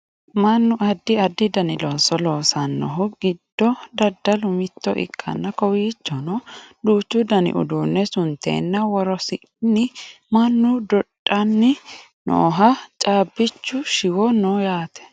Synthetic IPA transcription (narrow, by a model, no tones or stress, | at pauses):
mɐnːʊʔɐd̪ːɪɐd̪ːɪd̪ɐnɪloːsɔloːsɐnːɔ̰ɦʊɡɪd̪̥ːɔd̪ɐd̪ːɐlʊmɪt̪ːɔ̰ʔɪ̰kʰːɐ̰nːɐkɔwiːt͡ʃːɔnɔd̪uːt͡ʃːʊd̪ɐnɪ̰ʔʊ̰d̪uːnːɛsʊnt̪ːḛːnːɐwɔɾɔsɪ | nːɪ | mɐnːʊd̪ɔᶑʼːɐnːɪ | nʔo̰ːɦɐt͡ʃʼaːbːɪt͡ʃːʊʃɪwɔnojaːt̪ɛ̥